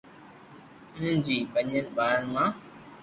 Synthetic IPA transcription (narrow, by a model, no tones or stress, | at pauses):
ʊn̤ənd͡ʑiːpə̃ɲənɪ̆baːɾənɪ̆mãː